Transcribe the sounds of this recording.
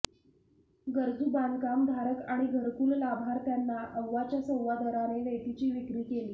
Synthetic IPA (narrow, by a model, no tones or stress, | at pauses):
ɡəɾd͡zuːbankamd̪ʱaɾəkaɽ̃iɡʱəɾkuːllabʱaɾt̪janːaʔəwːat͡ɕjasə̃wʋad̪əɾaneʋejt̪it͡ɕiːʋikɾiːkeliː